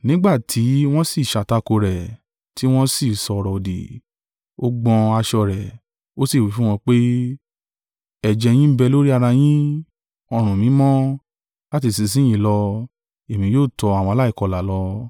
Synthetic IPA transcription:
nĩ˦ɡ͡ba˦˨tʰi˨˦w̃ɔ̃˦si˦˨ʃa˨ta˧ko˧ɾɛ˨ | ti˨˦w̃ɔ̃˦si˦˨sɔ˧ɾɔ˨dḭ˨ | o˦ɡ͡bɔ̃˧a˧ʃɔ˧ɾɛ˨ | o˦si˦˨wi˨˦fũ˦w̃ɔ̃˧k͡pe˦ | ɛ˨d͡ʒɛ˧j̃ĩ˦bɛ˧lo˦ɾi˦a˧ɾa˧j̃ĩ˦ | ɔ˧ɾ̃ũ˨mĩ˨˦mɔ̃˦ | la˦t̬i˧˨si˧s̬ĩ˦j̃ĩ˦lɔ˧ | e˨mĩ˨˧˦joː˦˨tɔ˧a˨w̃ɔ̃˧la˦i˦˨kɔ˧la˨lɔ˧

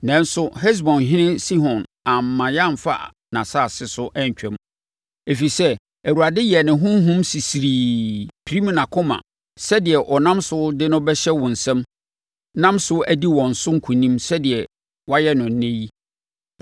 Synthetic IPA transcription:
nɛ̃˨˦n˦sʊ˦hɛ˦s̬bɔ̃˨nɦɪ̃˦nɪ̃˦si˦ɦɔ̃˨nã˨m̩ː˨ã˨jã˦˨m˨fa̰˦˨ | nã˨sa˦˨sɪ˦sʊ˦ʔɛ˦ɲ˨t͡ɕᶣɛ̃˦m | e˨fi˨sɛ˦ | æ˨u˨ɾa˨dɪ˦jɛ˨nɪ̃˨ɦʊ̃˦m˦ɦʊ̃˦msi˨si˨ɾiː˨pʰɾi˦m˨nã˨kʰʊ̃˦mã̰˨ | sɛ˦dɪ˨ɛ˨ʔɔ˨nã˦msʊ˦dɪ˦nʊ̃˦bɛ˦ɕɛ˦wɔ̃˨n̩˨sɛ̃˦m | nã˦msʊ˦ʔæ˨di˦wɔ̃˨n̩˨sʊ˦ŋ̩˦kʰũ˨nĩ˦msɛ˦dɪ˨ɛ˨ | wa˦jɛ˦nʊ̃˨n̩˦nːẽ˦ji˦

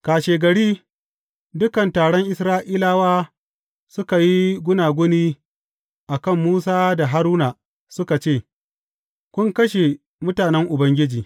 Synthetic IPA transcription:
kaː˨ʃeː˨ɡɐ˨ɽiː˦ | dʊ˦kɐ˨ntaː˨ɽɔ˦ŋʔɪ˦˨sɾaː˦ʔiː˦laː˦waː˦ | sʊ˦ka˨ji˦ɡʷʊ˦naː˨ɡʷʊ˦niː˦ | ʔa˨kɐ˦˨mːuː˦saː˦da˨ɦa˦ɾuː˦na˨ | sʊ˦ka˨t͡ʃeː˦˨ | kʷʊ˦ŋkɐ˦ʃe˨ | mʊ˦taː˨nɛ˦ŋʔʊ˨bɐ˦ŋɡʲɪ˦d͡ʒiː˨

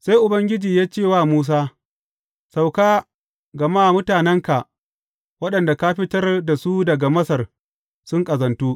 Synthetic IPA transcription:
sa˦jʔʊ˨bɐ˦ŋɡʲɪ˦d͡ʒiː˨jaː˦t͡ʃeː˦˨waː˦˨muː˦s̬aː˦ | sa˨wkaː˦ | ɡɐ˨maː˦˨mʊ˦taː˨nɛ˦ŋka˨ʔ | wɐ˦ɗɐ˨nda˨ka˦ɸɪ˦tɐ˦rda˨su˦dɐ˨ɡa˨mɐ˦sɐ˨r | sʊ˦ŋkʼɐ˨zɐ˨ntuː˦ʔ

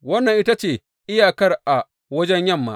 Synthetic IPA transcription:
wɐ˦nːɐ˨ŋʔɪ˦ta˦t͡ʃeː˨ | ʔɪ˦jaː˨kɐ˦rʔa˨ | wɐ˦d͡ʒɛ˦ɲjɐ˦˨mːa̰˦ʔ

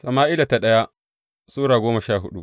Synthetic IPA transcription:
sɐ˨maː˦ʔɪ˦la˨ta˨ɗɐ˦ja˦ | suː˦ɽaː˨ɡʷoː˦ma˨ʃaː˦˨ɦʊ˦ɗṵ˦

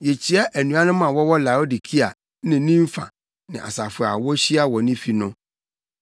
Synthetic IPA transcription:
jɛ˨t͡ɕʰi˦ɛ˦ʔæ˨nũ˨a˦nʊ̃˦m˦ã˨wɔ˦wɔ˦la˨o˦di˨kʰi˦a˨˦ | nɪ̃˨˦nĩ˦ɱ̩˦fã̰˨ | nɪ̃˨ʔa̰˨sa˨fʊ˨a̰˨wɔ˦ɕi˦a˦wɔ˨nɪ̃˦fi˨nʊ̃˦

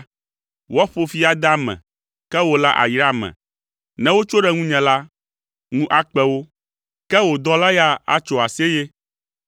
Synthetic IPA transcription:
wɔ˦ɸo˨fi˦a˨d̪a˦mɛ̰̃˨ | kɛ˦wo˨la˦ʔa̰˨jɾa˦mɛ̰̃˨ | nɛ̃˦wo˦t͡ʃo˦ɖɛ˦ŋũ˦ɲɛ̃˨la˦ | ŋũ˦ʔa˦k͡pɛ˦wo˦ | kɛ˦wo˨d̪ɔ˦la˦ja˦a̰˦t͡ʃo˨a˨se˦je˦

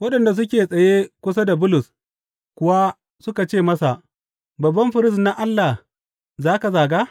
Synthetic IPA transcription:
wɐ˦ɗɐ˨nda˨s̬ʊ˦k̬ʲeː˨sʼɐ˨jeː˦kʷʊ˦s̬a˦da˨bʊ˦lʊ˨s | kʷʊ˦wa˦ | sʊ˦ka˨t͡ʃeː˦˨mɐ˦sa˨ʔ | bɐ˨bːɐ˦mɸɪ˨ɾɪ˦sna˦ʔa˦lːa˨h | zaː˦ka˨zaː˨ɡaː˦

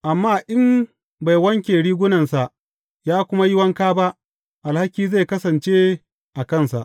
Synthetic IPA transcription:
ʔa˨mːaː˦˨ʔɪ˦m | ba˨jwɐ˦ŋkʲeː˨ɽiː˦ɡʷʊ˦nɐ˨nsa˨ʔ | jaː˦kʷʊ˦ma˦jɪ˦wɐ˦ŋkaː˦ba˦ʔ | ʔa˨lha˦kʲiː˦za˦˨kɐ˦sɐ˨nt͡ʃeː˦ | ʔa˨kɐ˦˨nsa̰˨ʔ

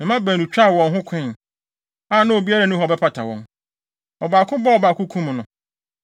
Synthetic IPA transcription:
mɪ̃˨mã˦bæ˨nũ˨t͡ɕᶣa˦˨wɔ̃˨nɦʊ̃˦kʷʰɛ̃˦˨n | a˦˨nã˦o˨bi˦a˦ɾa˨nʊ̃˦ɦɔ˨bɛ˦pʰa˨tʰa˨wɔ̰̃˦n | ɔ˨baː˨kʰʊ̃˦bɔ˦ɔ˨baː˨kʰʊ̃˦kʰũ˦m˨nʊ̃˨

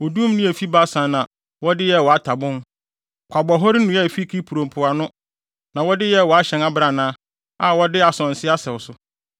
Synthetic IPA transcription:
ɔ˨du˦m˦nʊ̃˦æ˨fi˦ba˦sã˨˦nã˨ | wɔ˦dɪ˦jɛ˦wɔ˨a˦tʰa˨bʊ̃˦n | kʷʰa˨bɔ˨ɦɔ˦ɾɪ˦nũ˨˦ɛ˦˨fi˦kʰi˦pʰu˨ɾõ˨m˨pʰʊ˨a˨nʊ̃˦ | nã˨wɔ˦dɪ˦jɛ˦˨wɔ˨a˦ɕɛ̃˨na˦bɾa˨nãː˦ | a˨wɔ˦dɪ˦a˨sɔ̃˨n̩˨sɪ˦a˦sɛ˨ʊ˨sʊ˨˦

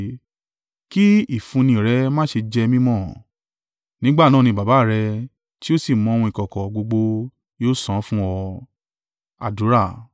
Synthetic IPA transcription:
ki˦i˦˨fũ˧nĩ˧˨ɾɛ˨˦mãː˦ʃe˧d͡ʒɛ˧mĩ˦mɔ̃˦˨ | nĩ˨˦ɡ͡ba˦˨nã˦˨nĩ˧˨ba˨ba˨˦˨ɾɛ˧ | ti˦o˦si˦˨mɔ̃˨˧o˧ũ˧i˨kɔ˨kɔ˨ɡ͡bo˧ɡ͡bo˧ | jo˦sã˨˦fũ˦ɔ˧ | a̰˨du˨˦ɾa˦˨

